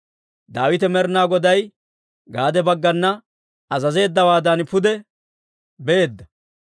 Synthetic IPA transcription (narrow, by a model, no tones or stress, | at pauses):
d̪aːwɪt̪ɛmɛɾnaːɡɔd̪ɐj | ɡaːd̪ɛbɐɡːɐnːɐ | ɐzɐze̞ːd̪ːɐwaːd̪ɐnpʊd̪ɛ | bɛeːd̪ːɐ